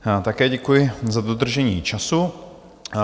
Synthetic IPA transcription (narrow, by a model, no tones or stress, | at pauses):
t̪akɛːɟɛkujɪzad̪od̪r̩ʒɛɲiːt͡ʃasu